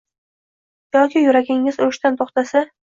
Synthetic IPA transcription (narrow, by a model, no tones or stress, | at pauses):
jɒkʲʰɪjʊɾaɡʲɪŋɪzʊɪʃt̪ant̪ʰoχt̪asa